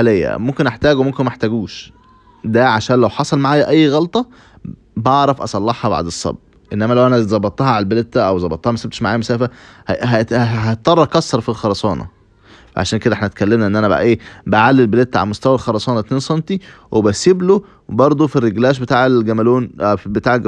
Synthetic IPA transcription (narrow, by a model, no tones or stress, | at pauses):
ħalejːæ̰momkenʔeħt̪æːɡwmomkenmeħt̪æɡuːʃ | d̪æʕaʃæːnlæwħɑsˤɑlmaʕaːjæʔæjːɣɑlt̪ˤɑ | bɑʕɾˤɑfʔɑsˤɑlːɑħhɑba̰ʕd̪esˤːɑ̰bː | ʔenːæmælæwʔænæzˤɑbːɑt̪ˤːɑhɑʕalælbelet̪ːæʔæwzˤɑbɑt̪ˤːɑhɑmæsæbt̪eʃmaʕaːjæmosæːfæhɦæɦæt̪̚ːˤɑrˤːɑkɑsːɑɾˤfilxɑɾˤɑsˤɑːnɑ̰ | fæʕa̰ʃæːnked̪æʔeħnæt̪̚kælːemnæʔenːʔænæbæ̰ʔʔeːbæʕalːelbelet̪ːʕa̰læmost̪æwælxɑɾˤɑsˤɑːnɑt̪nensˤɑnt̪iwebæseblo | bɑɾˤd̪ˤofirːeɡlæːʃ̬bet̪aːʕelɡæmæloːnbet̪aːʕelɡ